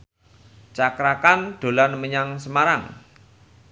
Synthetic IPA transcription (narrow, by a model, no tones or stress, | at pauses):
t͡ʃakɾakanɖ̪̥o̤lanməɲaŋsəmaɾaŋ